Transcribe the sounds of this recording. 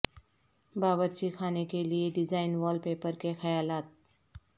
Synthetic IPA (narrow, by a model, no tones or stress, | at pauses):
baːbəɾt͡ʃikʰaːnekelieɖɪd͡ʒaːɪnʋɔːlpeːpəɾkexɐjaːlaːt̪̚